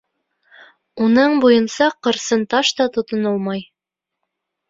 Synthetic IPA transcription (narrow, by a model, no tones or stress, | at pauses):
unɤɴbujɤnsɑqɤ̆ɾsɤnt̪ɑʃt̪ɑt̪ŏt̪ŏnɤlˠmɑj